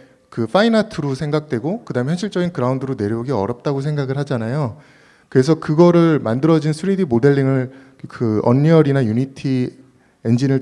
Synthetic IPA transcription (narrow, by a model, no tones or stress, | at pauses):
kɯfʰainatʰɯɾosʰe̞ŋɡak̚t͈we̞ɡokɯdaɯmçjʌnɕʰiɭt͡ɕ͈ʌɡinkɯɾaundɯɾone̞ɾjʌuɡiʌɾjʌp̚t͈aɡos̬ʰe̞ŋɡaɡɯɭɦhad͡ʑanajo | kɯɾe̞s̬ʰʌkɯɡʌɾɯɭmandɯɾʌd͡ʑinsʰuɾidimode̞ɭːiŋɯɭ | kɯʌnːiʌɾinajunitʰi | e̞nd͡ʑinɯɭ